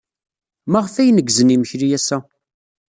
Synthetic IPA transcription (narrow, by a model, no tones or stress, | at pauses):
maʁəfæjnəɡzəniməçɾijæsæ